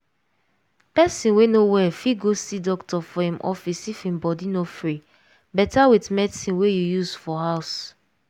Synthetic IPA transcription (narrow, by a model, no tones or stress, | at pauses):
pɛsĩnwenowɛfiɡosidɔktɔfɔhĩmʔɔ̰fisifĩmbɔdinofɹi | bɛtawitmɛdisĩnwejujuzfɔɦaʊs